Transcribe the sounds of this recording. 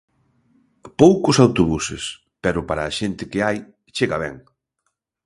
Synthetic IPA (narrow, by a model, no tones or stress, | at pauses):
powkʊsawt̪oβusḛs | pɛɾʊpaɾaːʃent̪ɪkɪaj | t͡ʃeɣaβɛ̰ŋ